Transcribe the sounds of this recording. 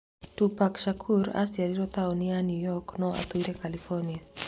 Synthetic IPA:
tupakʃakʰuɾa̰siaɾiɾɔt̪aɔnianjujɔknɔa̰t̪uiɾɛkalifɔnia

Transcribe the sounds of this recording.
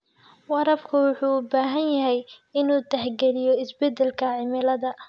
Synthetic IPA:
wɑɾɐbkʰʊwʊħuːbaːɦɐnjɐɦɛjɪnuːt̪ʰɐħɡɛlɪjɔɪsbɛd̪ɛlkʰɐʕɪmɪlɐðɐ

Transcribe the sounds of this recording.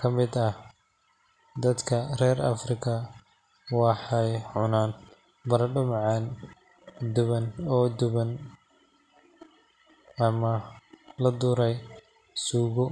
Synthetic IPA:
kʰɐmɪd̪ɐh | d̪ɐd̪kʰɐrɛːɾɐ̰frɪkʰɐ | wɑħɑjʕʊnaːn | bɐɾɐɖʊmʕɑn | d̪ʊβɐnɔːd̪ʊβɐn | ɐmɐlɐd̪ʊːɾɛj | suːɣʊ

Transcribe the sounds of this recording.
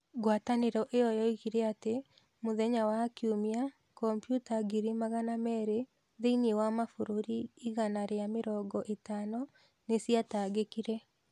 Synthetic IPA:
ɡwataneɾɔʔeɔjɔiɣiɾɛate | moðɛɲawakiomia | kɔmpjutaɡiɾimaɣanamɛɾe | ðeiniewamafoɾoɾiiɣanaɾeameɾɔːɡɔʔetaːnɔ | nesijataɡekiɾɛ

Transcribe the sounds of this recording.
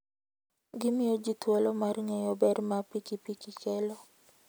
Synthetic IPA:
ɡɪmɪjɔd͡ʒit̪wɔlɔmarŋejɔbɛɾmapikipikikɛlɔ

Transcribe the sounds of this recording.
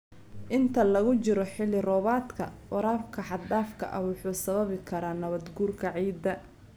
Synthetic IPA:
ʔɪnt̪ʰɐlɐɣʊt͡ʃɪɾɔħɪlɪrɔːβaːt̪kʰɐwɐɾaːfkʰɐħɑd̪aːfkʰɐ̰ʔɐwʊħuːsɐβɐβɪkʰɐɾaːnɐβɐd̪ɡuːrkʰɐʕiːd̪ːɐ

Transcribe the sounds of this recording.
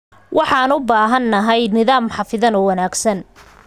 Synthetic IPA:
wʔɑħɑːnʊbaːɦɐnːɐɦɛjnɪðaːmħɑfɪðɐnɔwɐnaːɡsɐn

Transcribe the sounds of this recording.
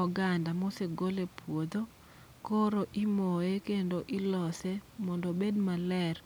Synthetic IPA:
ɔɡandamoseɡolepʰwod̪o | koɾoʔimoekendoʔɪlɔsɛmɔndobedmalɛr

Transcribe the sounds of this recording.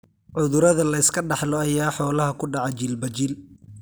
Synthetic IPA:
ʕʊðʊɾɐðɐlɐɪskʰɐɖɑħlɔɐjaːħɔːlɐɦɐkʰʊɖɑʕɑt͡ʃilbɐt͡ʃil

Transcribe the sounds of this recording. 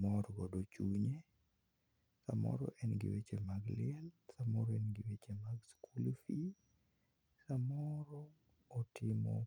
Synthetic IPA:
mɔɾɡɔdot͡ʃuɲe | sa̰mɔ̰ɾɔ̰ʔɛnɡɪ̰wet͡ʃemaɡlɪɛlsamɔɾɔɛnɡɪwet͡ʃemaɡskulfi | samɔɾɔː | tɪmɔ̰

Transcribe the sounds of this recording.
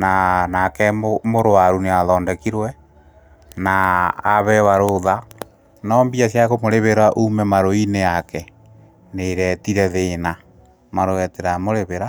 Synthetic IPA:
nanakɛmoɾoaɾuneaðɔːndɛkiɾwɛ | naːβɛwaɾoða | nɔmbiasjakomoɾeβeɾaʔumɛmaɾoineakɛ | neːɾɛtiɾɛðena | maɾoɛteɾamoɾeβeɾa

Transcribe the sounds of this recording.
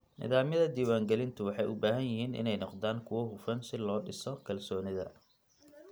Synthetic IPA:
nɪ̰ðaːmjɐðɐd̪iːwaːŋɡɛlɪnt̪ʰʊwɑħɑjʊbaːɦɐjɪɦiːnʔɪ̰nɛjnɔqd̪aːŋkʰʊwɔɦʊfɐnsɪlɔːɖɪsɔkʰɐlsɔːnɪðɐ̰

